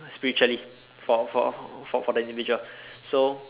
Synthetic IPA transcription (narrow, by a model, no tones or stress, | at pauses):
spiɹit͡ʃuəli | fɔfɔ̰fɔfɔdəĩndivid͡ʒuəlso